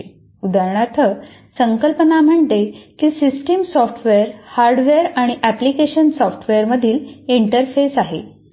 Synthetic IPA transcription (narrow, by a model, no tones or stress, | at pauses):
ud̪aɾɳ̃at̪ʰə | səŋkəlpənam̤əɳt̪ekiːsisʈimsɔfʈʰʋeəɾhaɾɖʋeəɾaɽ̃iʔæplikeɕənsɔfʈʰʋeəɾməd̪ʱiːliɳʈəɾfesaɦḛ